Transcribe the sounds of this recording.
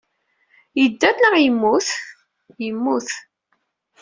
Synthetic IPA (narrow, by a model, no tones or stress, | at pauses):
jəd̪ːæθnəʁjəmːuθ | jəmːuθ